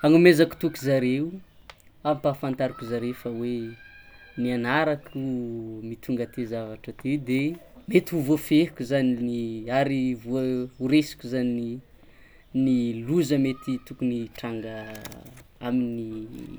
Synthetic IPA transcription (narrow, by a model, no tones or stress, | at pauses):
aŋumezaku̥t̪ukuzaɾeu | amipaːfant̪aɾikuzaɾefawe | nianaɾakʰumit̪ʰuŋɡət̪ezavaʈ͡ʂət̪ed̪e | met̪iuvofehkʲuzaniniaɾivuəuɾesi̥kʲuzani | niluzəmet̪it̪ukuniʈ͡ʂaŋɡə | amini